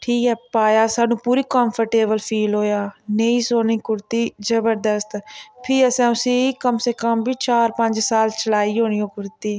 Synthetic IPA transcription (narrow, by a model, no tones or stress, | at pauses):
ʈʰiːkɛːpaːjaːsaːnũːpuːɾiːkɔ̃ːmpʰəɾʈeːbəlpʰiːlɦoːjaːneĩːsoːniːkʊɾt̪iːzəbəɾd̪əst̪pʰɪəsɛ̃ːʊsĩːikəmseːkəmbiːt͡ʃaːɾpəɲd͡ʒsaːlt͡ʃəlaːiːɦoːñiːɦoːkʊɾt̪iː